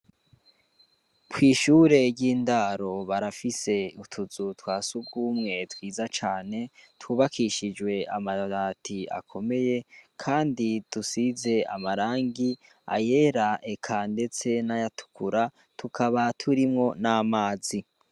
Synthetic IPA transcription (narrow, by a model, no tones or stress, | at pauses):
twiːʃuːɾe̞ɾɟiːndaɾo̞βaɾafise̞utʰuzutwaːsuɡɡuːmŋe̞twiːzat͡ʃaːne̞twuːβakʰiʃid͡ʒwe̞amaɾaːtʰia̰kʰo̞me̞je̞kʰaːnditusize̞a̰maɾaːŋɡi | a̰je̞ɾaʔekʰande̞t͡se̞najatu̥kʰuɾa | tukʰaβatʰuɾimŋo̞namaːzi